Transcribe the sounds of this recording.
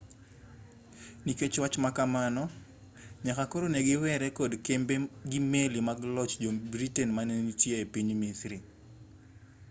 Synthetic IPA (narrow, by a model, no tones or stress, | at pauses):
niket͡ʃwat͡ʃmakamanɔ | ɲakakɔɾoneɡɪwɛɾɛkɔdkembeɡimelimaɡlɔt͡ʃd͡ʒɔbɾitɛnmanenitjeepiɲmisɾi